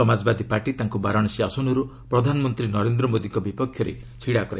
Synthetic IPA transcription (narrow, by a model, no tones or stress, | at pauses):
ɔmad͡ʒbad̪ʱipaɾʈit̪aŋkubaɾɔɽ̃ɔsiasɔnuɾupɾɔd̪ʱanɔmɔnt̪ɾinɔɾend̪ɾɔmod̪iŋkɔbipɔkʰjɔɾḛ | t͡ʃʰiɽakɔɾa̰